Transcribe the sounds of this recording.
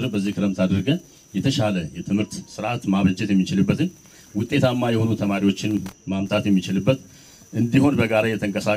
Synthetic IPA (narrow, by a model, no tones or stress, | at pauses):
ɾbəzːihkʰɨɾəmt̪ʰad̪əɾɡə | jɛt̪ʰəʃaləjɛt̪ʰɨmhɨɾt̪sɨɾʔat̪maβləd͡ʒɛt̪jɛmːit͡ʃɪlɨbːət̪ɨɲː | wʊt̪ʼːe̞t̪ʰamːajɛho̞nut̪ʰəmaɾiwo̞t͡ʃːɪnmamt̪ʰʼat̪jɛmːit͡ʃɪlɨbːət̪ | ʔɨnd̪iho̞nbəɡaɾajɛt̪ʰəŋkʼəsa